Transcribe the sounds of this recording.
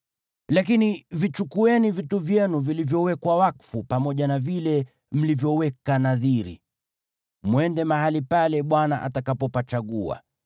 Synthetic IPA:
lakinivit͡ʃukuɛnivituvjɛnuvilivjɔwɛkwawakfupamɔʄanavilɛ | m̩livjɔwɛkanaðiɾḭ | mwɛndɛmaɦalipalɛɓwanaʔa̰takapɔpat͡ʃaɠua̰

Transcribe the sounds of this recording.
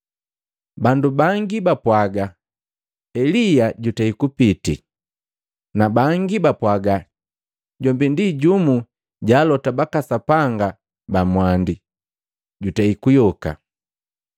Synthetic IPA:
bandubaŋɡibapwaɡa | ɛlijaɟutaikupitḭ | nabaŋɡibapwaɡa | ɟɔmbindiɟumu | ɟaːlɔtabakasapaŋɡa | bamwandi | ɟutaikujɔka̰

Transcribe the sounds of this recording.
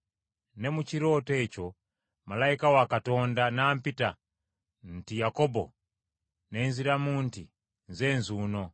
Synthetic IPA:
nɛmut͡ʃiɾɔtɛt͡ʃɔ | malaikawakatɔndanam̩pita | n̩tijakɔbɔ̰ | nɛnziɾamunti | nzɛnzunɔ

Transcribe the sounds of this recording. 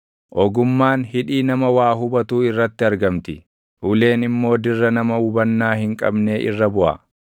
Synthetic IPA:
ʔɔɡʊmːaːnhɪᶑiːnɐmɐwaːɦʊbɐt̪uːɪrːɐt̪ːɪɐɾɡɐmt̪ɪ | ʔʊle̞ːnɪmːo̞ːd̪ɪrːɐnɐmɐhʊbɐnːaːhɪŋkʼɐ̰bne̞ːʔɪ̰rːɐbʊʔɐ̰

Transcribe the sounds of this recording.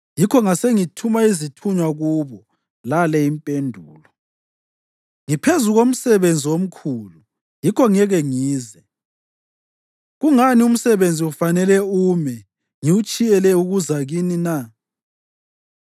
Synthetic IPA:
jikʰɔŋaseŋitʰumaizitʰuɲwaɣuːβɔ | lalɛimpʼendʱuːlɔ | ŋipʰezuɣom̩sɛβend͡zʱiwom̩kʰulu | jikʰɔŋɛɣɛŋiːzɛ | ɣuŋanium̩sɛβend͡zʱiufanɛlɛuːmɛ | ŋiut͡ʃʼijɛlɛuɣuzaɣinina

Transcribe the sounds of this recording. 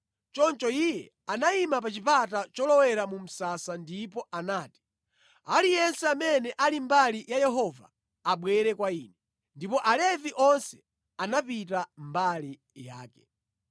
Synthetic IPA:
t͡ʃɔnt͡ʃɔijɛ | anaimap̬at͡ʃipatat͡ʃɔlɔwɛɾamum̩sasandip̬ɔanaːti̥ | alijɛnsɛamɛnɛʔalimbalijajɛɦɔva̰ː | ɓwɛɾɛkwaiːnɛ | ndipɔʔalɛviʔɔnsɛ̥ | anapitambali | ja̰ːkɛ̥

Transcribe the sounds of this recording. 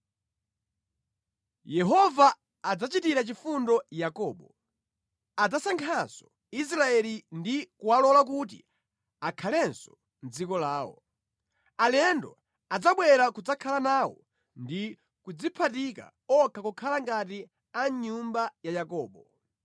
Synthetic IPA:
jɛɦɔvaː | d͡zat͡ʃitiɾat͡ʃifundɔjakɔːɓɔ | ad͡zasaŋkʰasɔ̥ | is̬ɾaɛlindikuwalɔlak̬ut̬ḭ | akʰalɛnsɔ̥ | nd͡zikɔlaːwɔ̰ | alɛndɔ | ad͡zaɓwɛɾakud͡zakʰalanaːwɔ̰ | ndi | kud͡zipʰatika̰ | ɔkʰakɔkʰalaŋɡat̬i | aɲumbajajakɔːɓɔ

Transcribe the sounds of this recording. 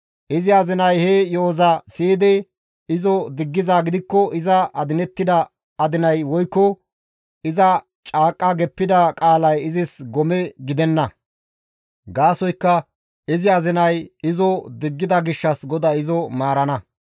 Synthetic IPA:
ʔɪzɪɐzɪnɐjhejoːzɐsiːd̪ɛ | ɪzɔd̪ɪɡːɪzaːɡɪd̪ɪkːɔʔɪzɐʔɐd̪ɪnɛt̪ːɪd̪ɐː | d̪ɪnɐjwɔjkːɔ | ɪzɐ | t͡ʃʼaːkʼːɐɡɛpːɪd̪ɐkʼaːlɐjɪzɪsɡɔmɛɡɪd̪ɛnːɐ | ɡaːsɔjkːɐ | ɪzɪɐzɪnɐjɪzɔd̪ɪɡːɪd̪ɐɡɪʃːɐsɡɔd̪aɪzɔmaːɾɐnɐ

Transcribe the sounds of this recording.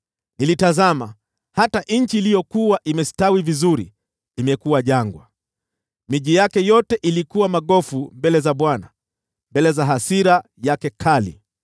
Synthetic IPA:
nilitazama | hataʔɲ̩t͡ʃiːlijɔkuwaʔimɛstawivizuɾḭ | imɛkuwaʄaŋɡwa̰ | miʄijakɛjɔtɛʔilikuwamaɠɔfumbɛlɛzaɓwana | mbɛlɛzaɦasiɾa | jakɛkʰalḭ

